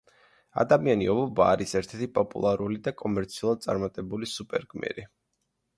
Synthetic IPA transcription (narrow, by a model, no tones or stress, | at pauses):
a̰d̪amianiɔvɔbaːɾisɛɾt̪ʰɛɾt̪ʰipʼɔpʼṵlˠaɾulid̪akʼɔmɛɾt̪sʰiulˠad̪̚sʼaɾmat̪ʼɛbulisupʼɛɾɡmɛ̰ɾi